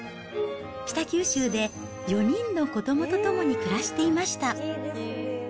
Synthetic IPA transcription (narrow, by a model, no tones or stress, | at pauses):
ɕʲi̥t̪akʲɨːɕɨːd̪e̞ | jo̞ɲ̟ĩnːo̞ko̞d̪o̞mo̞t̪o̞t̪o̞mo̞ɲ̟ikɯ̟ɾaɕi̥t̪e̞imaɕi̥t̪a